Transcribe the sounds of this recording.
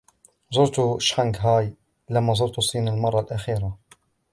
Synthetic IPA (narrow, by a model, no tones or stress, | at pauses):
zˤʊɾt̪ʊʃħaŋɡɦaːj | lamːazˤʊɾt̪ʊsˤiːnalmɑrˤːɑlʔaxiːɾa